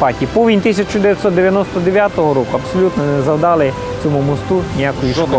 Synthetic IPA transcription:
ɑtʲipɔʋʲinʲt̪isʲɐt͡ʃʊd̪eʋjɐt̪sɔt̪d̪eʋʲjɐnɔst̪ɔd̪eʋʲjat̪ɔɦɔɾɔkʊɐpsɔlʲut̪nɔnɛzɐwd̪ɑlˠɪ | t͡sʲɔmumɔst̪unʲijakɔjiʃkɔ

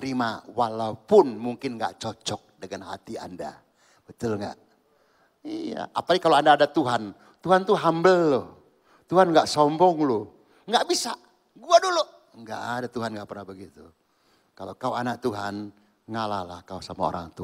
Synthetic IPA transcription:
ɾimawalaupʊnmuŋkɪnŋɡa̰ʔt͡ʃɔt͡ʃɔk̚dəŋanha̰t̪ia̰nda̰ | b̥ət̪ʊlŋɡa̰ʔ | ija̰ʔa̰padikaloandaːdat̪uɦan | t̪uɦant̪uɦambəlːoh | t̪uɦanŋɡaʔsɔmbɔŋlo | ŋɡaʔbisaʔ | ɡuaduloʔ | ŋɡa̰ʔadat̪uɦanŋɡaʔpərnahbəɡit̪u | kala̰kaoanak̚t̪uɦan | ŋalahlahkausamao̰ɾa̰ŋt̪u

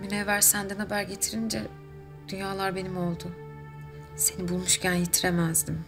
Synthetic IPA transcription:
mynevæɾsænd̪ɛnabæɾɟe̞t̪ʰiɾind͡ʒɛ | d̪̥ynjaːlˠaɾbe̞nimo̞lˠd̪ʊ | se̞nibulˠmuʃcʰænjet̪ʰiɾemæzd̪im

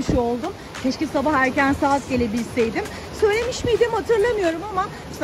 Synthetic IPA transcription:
ʃuo̞lˠd̪um | cʲʰeʃcʲisabahæɾcænsaːt̪ɟe̞lʲe̞bilʲsejd̪ɪm | sø̞jlʲe̞miʃmijd̪imhat̪ʰɯɾlˠamɯjo̞ɾumama | s

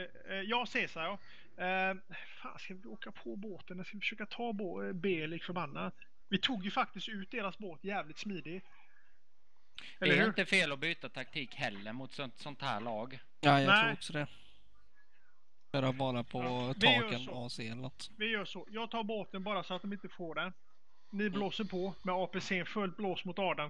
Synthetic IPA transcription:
jɑːseːsaɑ | fa̰ːnskavɪoːkapʰɔboːt̪ənɛskavɪfə̥ʂøːkat̪ʰɑːboːbeːlɪkfœɾbanːad̪ | vɪt̪ʰuːɡjɵfak̚t̪ɪst̪ʉ̟ːt̪̚d̪eːɾasboːt̪jæːvlɪt̪smiːd̪ɪ | dɛlɛəhɪːnɾt̪əfeːlɔbyːt̪at̪ʰak̚t̪ʰiːkhɛlːəɾmʊt̪sɔsɔnt̪hæ̰ːɭɑːɡ | ajanɛɪɔksɔd̪ɛ | œːɾabɑːɾapʰɔvʰɑjœːənɔɑːseːlat̪ | vɪjœːʂɔjɑːɡ̚t̪ʰɑːɾboːt̪ənbɑːɾasɔat̪̚d̪ɔmɪnt̪əfoːɖɛ | nɪbloːsəɾpʰɔmɛɑːpeseːnfɵlt̪̚bloːsmʊt̪ɑːɖan

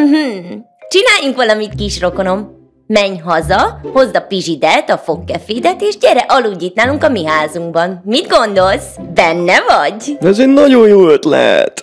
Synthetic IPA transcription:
m̩ɦ̩ | t͡ʃinaːjuŋkʋɒlɒmit̪kiːʃro̞kono̞mː | ɛɲɦɒzɒho̞zd̪ɒpiʒid̪ɛt̪ɒfo̞kːɛfiːd̪ɛt̪eːʃɟɛrɛʔɒluːɟːiːt̪naːluŋkɒmiɦaːzuŋɡbɒnmid̪ɡo̞nd̪o̞lsbɛnːɛvɒɟ̪ɛzenɒɟo̞njoːøt̪lɛ̰ɦɛ̰t̪

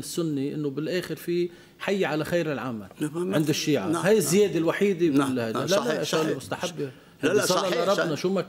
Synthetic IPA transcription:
ɪsːʊnːiʔɪ̰nːobɪlʔeːxɪɾfi | ħajːʕalaxajɾɪlʕamalʕɪnd̪ɪʃːiːʕahajɪzːɪjeːd̪ɪlwaħiːd̪elhajalalʔʃaɣlimʊst̪aħabːɪ | sɑlːɑlɑɾˤɑbnɑʃuːma

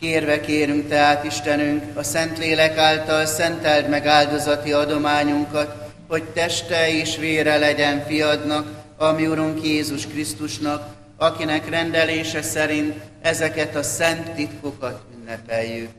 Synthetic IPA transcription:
keːrvɛkeːɾyŋk̚t̪ɛɦaːt̪iʃt̪ɛnyŋkɒsɛnt̪leːlɛkaːlt̪ɒlsɛnt̪ɛld̪mɛɡaːld̪o̞zɒt̪iɒd̪o̞maːɲuŋkɒt̪ | ho̞ct̪ɛʃt̪ɛeːʃʋeːɾɛlɛɟɛɱfijɒd̪nɒkɒmiuɾuŋkjeːzuʃkrist̪uʃnɒk | ɒkinɛkrɛnd̪ɛleːʃɛsɛɾint̪ɛzɛkɛt̪ɒsɛnt̪ːit̪kokɒt̪ynːɛpɛjːyk̚

